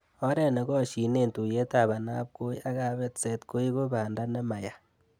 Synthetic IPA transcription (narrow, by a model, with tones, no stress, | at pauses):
o˦ɾe˦˨ne˨ko˦˨ʃi˨ne˦˨ntu˨je˦ta˦˨βa˨na˦p̚ko˦ja˦ɣa˦βe˦t͡se˨tko˦i˦ko˦βaː˨nda˦ne˦ma˨ja˨